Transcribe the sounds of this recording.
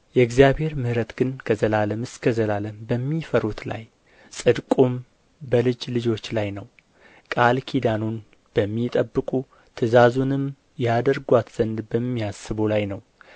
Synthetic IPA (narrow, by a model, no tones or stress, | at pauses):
jɛɡzijaβhe̞ɾmɨhɾət̪ɡ̥ɨnkʰəzəlaləmɨskʰəzəlaləmbəmːifəɾut̪la̰j | sʼɨd̪kʼum | bəlɨd͡ʒlɨd͡ʒo̞t͡ʃːlajnəw | kʼalkʰid̪anon | b̥əmːit̪ʼəbːɨkʼu | t̪ʰɨzazunɨm | jɛad̪əɾɡʷat̪z̥ənd̪bəmːiasːɨβolajnəw